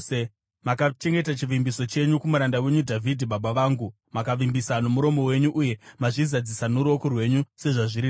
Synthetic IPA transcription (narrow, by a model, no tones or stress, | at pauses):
makat͡ʃe̞ŋɡe̞tat͡ʃiʋimbiso̞t͡ʃe̞ɲukumuɾandawe̞ɲudʱavʱidʱiɓaɓaʋaːŋɡu | makaʋimbisano̞muɾo̞mo̞we̞ɲuʔuje̞maʐizad͡zisanuɾo̞kurwe̞ɲuse̞ʐaʐiɾi